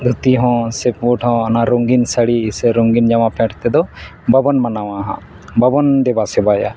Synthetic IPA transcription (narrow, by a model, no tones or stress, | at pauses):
d̪ʱut̪iɦɔ̃sɛpwuʈhɔ̃ɔnaɾoŋɡinsəɽiseɾoŋɡind͡ʒamapʰɛ̃ʈʰt̪ɛd̪ɔbəbɔnmanawaɦã̰ | bəbɔnd̪ɛbasɛbaja̰